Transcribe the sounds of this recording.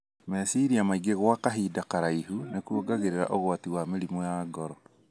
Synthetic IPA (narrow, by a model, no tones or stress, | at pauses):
mesiɾiamaiɡeɣwakaɦiːdakaɾaiɦunekuoɡaɣeɾeɾa̰ʔoɣwatiwameɾimɔjaːɡɔɾɔ